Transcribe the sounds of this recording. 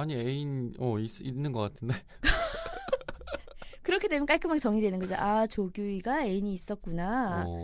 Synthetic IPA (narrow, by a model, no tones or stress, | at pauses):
aɲieinʌisinːɯnɡʌk͈atʰɯnde | kɯɾʌkʰe̞dwe̞mjʌk͈aɭk͈ʰɯmak̚t͡ɕʌŋidwe̞nɯnɡʌd͡ʑoʔat͡ɕoɡjuiɡae̞iɲiːs͈ʌt̚k͈una